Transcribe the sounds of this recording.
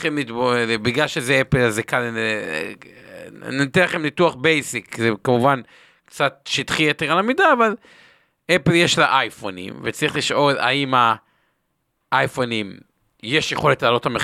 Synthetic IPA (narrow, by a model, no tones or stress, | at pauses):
χemlitbobiɡlalʃezeepelazekal | nit̪elaχemlituaχbejsikzekamuvan | kt͡sat̚ʃit̪χieteʁalamidaːval | epeljeʃlaʔajfonḭmvet͡saʁiχliʃʔo̞la̰ima | ʔajfonim | je̞ʃjeχo̞le̞tlaːlo̞tame